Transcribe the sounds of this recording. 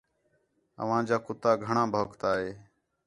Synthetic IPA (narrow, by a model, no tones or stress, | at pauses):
ə̰ʋ̤ãːd͡ʒaːkʊt̪aːɡʱəɳãːbʱəːkt̪aːɦeː